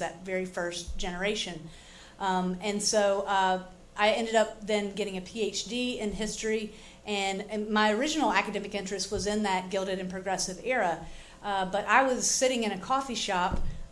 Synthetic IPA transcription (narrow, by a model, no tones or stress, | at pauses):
ðɨ̰tvɛɹifɜ˞std̥ʒ̥ɛnə˞eɪʃɨ̃n | ɨ̃nsoʊ | ʔaɪɛ̃ndɨɾʌp̚ðɨ̃nɡɛɾɪ̃ŋɨpʰieɪt͡ʃd̥iɪ̃nɦɪstɹ̥i | ʔɨ̃nmaɪə˞ɪd͡ʒɨn̩l̩ˠækɨdɛmɨkɪ̃nt͡ʃɹ̥ɨst̚wʌzɨ̃nðɨt̚ɡ̥ɪlˠɾɨɾɨ̃npʰɹ̥ɨɡɹɛsɨvɛɹə | bʌɾʔaɪwʌz̥sɪɾɪ̃ŋɨ̃ñɨkʰɔfiʃɑp